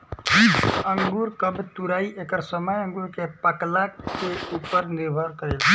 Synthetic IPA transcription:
ə̃ŋɡuːɾkəbt̪uɾaːiʔekəɾsəməjə̃ŋɡuɾkepaklakeupəɾnɪɾbʱəɾkəɾe

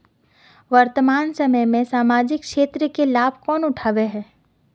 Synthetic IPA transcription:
ʋɐɾt̪əmaːnsɐməjmẽsaːmaːd͡ʒɪkʃeːt̪ɾəkelaːbʱkɔːnʊʈʰaːʋeɦɛː

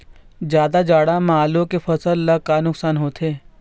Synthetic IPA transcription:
d͡ʒjaːd̪ad͡ʒaːɽamaːlõkefɐsəlːɐkanʊksaːnɦoːt̪ʰeː

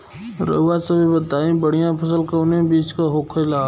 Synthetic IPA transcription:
ɾə̰ʋaːsɐ̃bibət̪aːĩbəɽijãpʰəsəlkəʊnẽbiːt͡ʃkaɦoːkʰəlaː

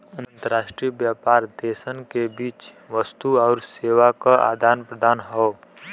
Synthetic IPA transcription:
ə̃ñnt̪əɾaːʃʈɾiːəbjaːpaːɾd̪eːsənkebiːt͡ʃ | ʋəst̪uɔːɾseːʋakaʔa̰ːd̪ʱaːnpɾəd̪aːnɦoː

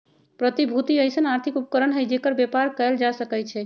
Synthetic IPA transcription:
pɾət̪ibʱut̪iəjsənaɾt̪ʰikupəkəɾənɦəjd͡ʒekəɾbjepaɾkəld͡ʒasəkɛjt͡ʃʰɛ

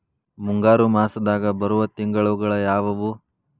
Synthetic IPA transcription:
muŋɡaːɾumaːsɐd̪aːɡɐbɐɾuʋɐt̪iŋɡɐɭɐuɡɐɭɐjaːʋɐʋu

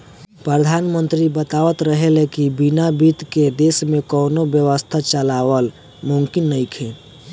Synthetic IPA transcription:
pɾəd̪ʱanmənt̪ɾibət̪aʋət̪ɾəɦelekibinabit̪ked̪esmekɔːnobjəwəst̪ʰat͡ʃəlawəl | muŋkinːəjkʰe

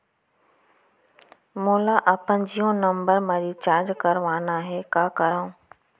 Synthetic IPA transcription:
moːlaʔɐpə̃ɲd͡ʑijõnɐ̃mbəɾmãːɾit͡ɕaːɾd͡ʑkɐɾʋaːnaɦeːkaːkɐɾaːũː

